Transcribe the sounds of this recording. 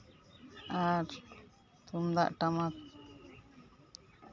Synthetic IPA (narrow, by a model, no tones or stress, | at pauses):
aɾ | t̪umd̪a̰ʔʈamat̪̚